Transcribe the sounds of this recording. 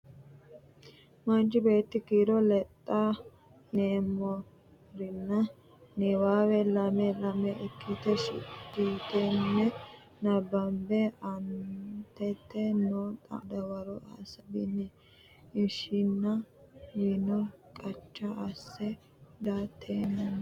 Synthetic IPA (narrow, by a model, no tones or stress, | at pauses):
mɐnd͡ʒɪbe̞ːt̪ːɪkiːɾɔlɛt̪ʼːɐ | neːmːɔ | ɾɪnːɐ | nɛwaːwɛlɐmɛlɐmɛʔɛkʰːɪt̪ɛʃɪ̰tːit̪ɛnːɛ | nɐbɐmbɛɐnt̪ɛt̪ːɛnot̪ʼɐ̰d̪ɐwɐɾɔʔa̰ːsɐb̪ɪnːɛ | ɪʃɪnːɐwinɔkʼɐt͡ʃʼːɐɐsːɛ | d̪at̪ʰːeːnɐ